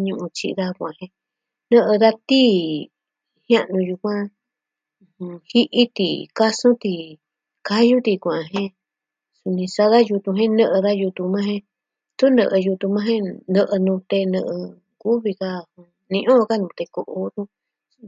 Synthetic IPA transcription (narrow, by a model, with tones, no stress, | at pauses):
ɲũ˧ʔũ˧t͡ʃḭ˧ða˦˧kʷã̰˨hẽ˧ | nə̃˦˧ʔɨ˧ða˧t̪i˦ | hjã˦ʔnũ˧ju˧kʷã˦˧ | hi˦ʔi˦t̪i˨ka˦sũ˦t̪i˧ | ka˦ju˦t̪i˧kʷã˨˧˨ɦẽ˦ | su˧nĩ˧sa˧ða˦ju˧t̪ũ˧ɦẽ˦nə̃˦˧ʔɨ˧ða˦ju˧t̪ũ˧mã˦ɦẽ˧ | t̪u˦nə̰̃˧ʔɨ˧ju˧t̪u˧mã˦ɦẽ˦nɨ̃˧ʔɨ˧nũ˧t̪e˧nɨ̃˧ʔɨ˧ | ku˦βi˧ka˧ũ˧ | nĩ˧ʔõ˦˧ka˦nũ˧t̪e˧ko˧ʔo˧t̪ũ˦